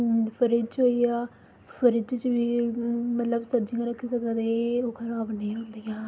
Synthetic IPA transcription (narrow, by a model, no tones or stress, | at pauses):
pʰəɾɪd͡ʒt͡ʃɦoːiːaː | pʰəɾɪd͡ʒt͡ʃt͡ʃbiːmət̪ləbsəɾd͡ʒɪ̃ŋɡaɾəkʰːiːsəkəd̪eoːkʰəɾaːbnĩːɦõnd̪iːaː